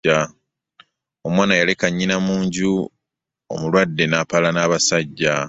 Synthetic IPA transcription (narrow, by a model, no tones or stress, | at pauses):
a | omwaːnajalekaɲːinamuːɲɟu | o̰mulwadːe̞naːpalanaːβasaɟːa